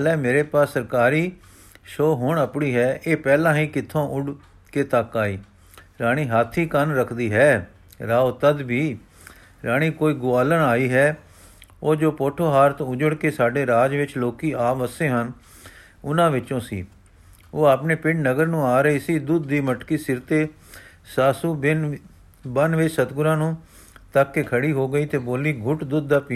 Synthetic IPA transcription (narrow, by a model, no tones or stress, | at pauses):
lɛːmeːɾeːpaːsːəɾkaːɾiː | ʃoːɦʊɳəpɳiːɦɛːʔeːpɛːlãːɦĩːkɪt̪ʰːõːʔʊɖ | keːt̪əkaːiː | ɾaːɽ̃iːɦaːt̪ʰiːkənɾəkʰd̪iːɦɛː | ɾaːot̪əd̪bʱiː | ɾaːɽ̃iːkoːiːɡʊaːlənaːiːɦɛː | oːd͡ʒoːpoːʈʰoːɦaːɾt̪õʊd͡ʒəɽkeːsaːɖeːɾaːd͡ʒʋɪt͡ʃloːkiːaːʋəsẽːɦən | ʊnãːʋɪt͡ʃõːsḭː | oːaːpneːpɪ̃ɳɖnəɡəɾnũːaːɾəiːsiːd̪ʊd̪ːiːməʈkiːsɪɾt̪eː | saːsuːn | bənʋɪt͡ʃsət̪ɡʊɾãːnũː | t̪əkːekʰəɽiːɦoːɡəiːt̪eːboːliːɡʱʊʈd̪ʊd̪̚ːaːpiː